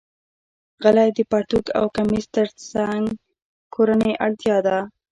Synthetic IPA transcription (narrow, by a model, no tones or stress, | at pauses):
ɣalajd̪əpɑʈuka̰wkamist̪əɾt͡saŋɡ | kʰoɾanəjʔaɽt̪jɑd̪a